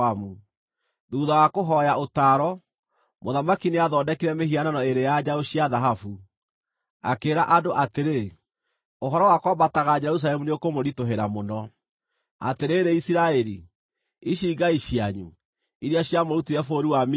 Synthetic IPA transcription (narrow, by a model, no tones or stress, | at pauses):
amu | ðuːðawakoɦɔjaotaːɾɔ | moðamakineaðɔːdɛkiɾɛmehiananɔeɾejad͡ʑaoɕjaðaɦafu | a̰keːɾaʔadoʔateɾe | oɦɔɾɔwakwabataɣad͡ʑɛɾus̬alɛmuneokomoɾitoɦeɾamonɔ | a̰teɾeːɾeisiɾaɛɾi | iɕiɡaiɕiaɲṵ | iɾeaɕjamoɾutiɾɛfoːɾiwam